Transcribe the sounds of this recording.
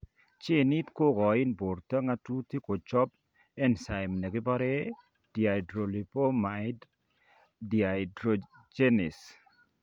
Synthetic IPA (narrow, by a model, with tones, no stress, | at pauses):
t͡ʃe˦˨ni˦t̪ko˦ɡɔ˨ɪ˦nbo˨ɾta˦ŋa˦tu˦ti˦ko˨t͡ʃɔ˦p | ɛ˦nsa˨jmne˨ɡɪ˦ba˦ɾɛ˦ | d̥ja˨dɾo˨li˨po˦ma˨ɪd | dia˨dɾo˨ | d͡ʒe˦ni˨s